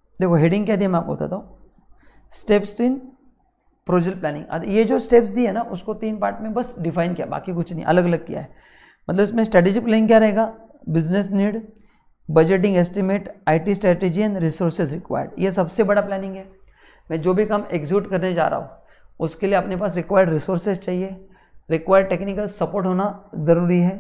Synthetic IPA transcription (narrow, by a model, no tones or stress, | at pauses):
d̪eːkʰoɦeɖɪ̃ŋɡkjad̪iamɛ̃aːp̚ko̰ɦːt̪a̰t̪aːɦũ | sʈeːpsʈ̪ɾiːn | pɾoːd͡ʒəlplɛːnɪ̃ŋɡɐ̰d̪jed͡ʒoːsʈeːpsd̪iɦɛnaʔʊskot̪iːnpaːɾʈmẽbɐsɖɪfʰaːɪnkija̰ba̰ːkikʊt͡ʃʰnɐɦḭ̃ʔɐ̰ləɡɐləɡ̚kija̰ɦɛː | mɐt̪ləbɪsmẽsʈɾɛːʈeːd͡ʒiplɛːɪ̃ŋk̬ʲjaɾɐɦeːɡaːbɪznesniːɖ | bɐd͡ʒeʈ̬ɪ̃ŋɡeːsʈimeːʈaːɪʈisʈɾɛːʈeːd͡ʒiɛ̃ːɳɖɾisoːɾsezɾɪkʋa̰ːjə̰ɖjes̬ɐbsebɐɽaplɛːnɪ̃ŋɡɦɛː | mɛ̃ːd͡ʒoːbʱikɐmekzuːʈkɐɾned͡ʒa̰ːɾa̰ːɦo̰ | ʊskelieɐpnepaːsɾɪkʋaːjəɖɾisoːɾsezt͡ʃaːɦie | ɾɪkʋaːjəɖ̚ʈeːknɪkəlsɐpoːɾʈɦoːnazɐɾuːɾiɦɛː